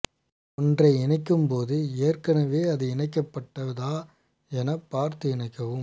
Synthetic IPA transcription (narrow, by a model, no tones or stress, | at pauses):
ɔndrɐɪɪnɐɪkːɯmpoːðɯeːrkɐnɐʋeːɐðɯɪɳɐɪk̬ːɐpːɐʈːɐʋɐðaː | ɛnɐpːaːɾt̪ɯɪnɐɪkːɐʋɯm